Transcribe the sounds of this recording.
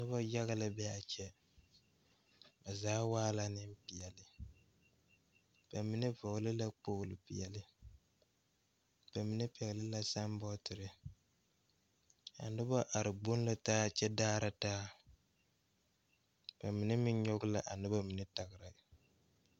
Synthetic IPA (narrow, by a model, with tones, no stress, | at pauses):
nʊ˦ba˦ja˦ɣa˦la˨bɛ˦a˨t͡ʃɛ˦ | ba˨zaː˦waː˦la˦nɨ˦m˦pi˨jɛ˨lɨ˨ | b̥a˨mi˨nɨ˦vɔ˨ɡlɨ˦la˦k͡po˦˨ɡʊ˨lɨ˨pi˨jɛ˨lɨ˦ | b̥a˨mi˨nɨ˦pi˨ɛ˨ɣlɨ˦la˦sa˦mbɔ˦tɨ˨ɾɨ˨ | a̰˨nʊ˦bɔ˦ʔa˨ɾɨ˨ɡ͡bo˦n˦lɨ˦taː˦˨t͡ʃɛ˦daː˦ɾa˦taː˦ | b̥a˨mi˨nɨ˦mɪ˦ɲɲɔ˦ɡʊ˦la˨ʔa˨nɨ˦bɔ˦mi˨nɨ˦ta˨ɣɨ˨ɾa˨